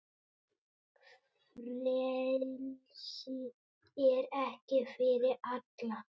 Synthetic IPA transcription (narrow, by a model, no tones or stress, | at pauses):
lɛl | si | ɛɾɛhcɪfɪɾɪɾat̪la